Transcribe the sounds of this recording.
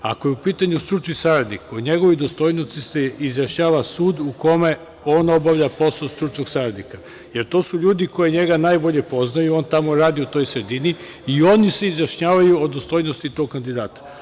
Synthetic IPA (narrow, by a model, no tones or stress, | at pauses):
a̰ko̞jeupiːt̪aɲust̪ɾut͡ʃnisaɾad̪nikoɲe̞ɡo̞ʋid̪ost̪o̞jnosiseizjaʃɲaːʋasuːd̪uko̞me̞ | o̞no̞baʋʎapo̞sast̪ɾut͡ʃnoɡsaɾad̪nika | je̞ɾt̪o̞ːsuʎuːd̪iko̞jeɲe̞ɡanaːjbo̞ʎe̞po̞znajuo̞ːnt̪amoɾaːd̪iot̪o̞ːjsɾed̪ini | io̞niseizjaʃɲaːʋajuod̪ost̪o̞jnost̪it̪o̞ɡ̚kand̪id̪aːt̪ḁ